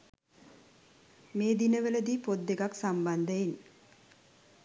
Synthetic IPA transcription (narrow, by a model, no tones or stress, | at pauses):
meːd̪inəʋələd̪iːpod̪ːekaksamband̪əin